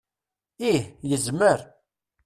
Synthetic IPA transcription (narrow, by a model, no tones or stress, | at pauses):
ihjəzməɾ